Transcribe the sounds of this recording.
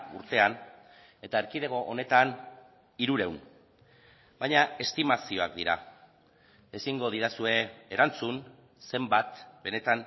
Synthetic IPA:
ṵɾt̪e̞an | e̞t̪aeɾkiðe̞ɣo̞ʔone̞t̪an | iɾuɾe̞wn | bajɲae̞st̪imasio̞ak̚d̪iɾa | e̞siŋɡo̞ð̞iɾasue̞ːɾant͡sun | se̞mbat̪be̞ne̞t̪an

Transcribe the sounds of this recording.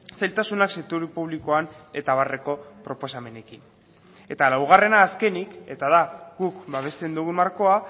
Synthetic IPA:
sajlt̪asunakset̪uɾipuβ̞liko̞ane̞t̪aβ̞are̞ko̞pɾo̞po̞same̞ne̞kin | e̞t̪alawɣ̞are̞naːske̞nike̞t̪aðaɣukbaβe̞st̪e̞nd̪uɣunmaɾko̞a

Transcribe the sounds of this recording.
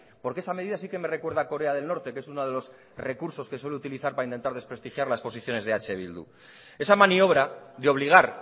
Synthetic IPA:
po̞ɾkee̞sameðiðas̬ike̞me̞re̞kwe̞ɾð̞ako̞ɾe̞aðe̞lno̞ɾt̪e̞kee̞sunoð̞e̞lo̞s | re̞kuɾso̞ske̞swe̞leut̪iliθaɾpaɾaint̪e̞nt̪aɾðe̞spɾe̞st̪ixjaɾlaespo̞s̬iθjo̞ne̞zðeat͡ʃe̞β̞ḭld̪ṵ | e̞samanio̞β̞ɾaðeo̞β̞liɣ̞aɾ

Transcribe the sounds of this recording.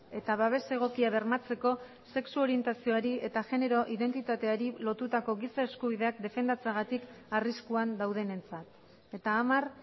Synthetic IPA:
e̞t̪aβaβ̞e̞se̞ɣ̞o̞kiaβe̞ɾmat͡se̞ko̞ | se̞ksuo̞ɾie̞nt̪asio̞aɾie̞t̪aʝe̞ne̞ɾo̞ʔiðe̞nt̪it̪at̪e̞aɾilo̞t̪ut̪ako̞ɣisae̞skuβ̞iðe̞ak̚d̪e̞fe̞nd̪at͡saɣat̪ikariskuand̪awðe̞ne̞nt͡sat̪ | e̞t̪aːmar

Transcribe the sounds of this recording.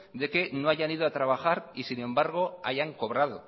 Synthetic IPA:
d̪e̞ke̞noaʝaniðoat̪ɾaβ̞axaɾisinẽ̞mbaɾɣ̞o̞a̰ʝaŋko̞β̞ɾað̞o̰

